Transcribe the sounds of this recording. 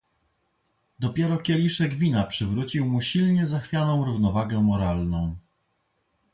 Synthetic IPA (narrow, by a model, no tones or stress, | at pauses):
d̪ɔpʲjɛɾɔkʲɛlʲiʂɛɡvʲinapʂɘvɾut͡ɕiwmuɕilɲɛzaxfʲjanɔ̃w̃ɾuvnɔvaɡɛmɔɾalnɔ̃w̃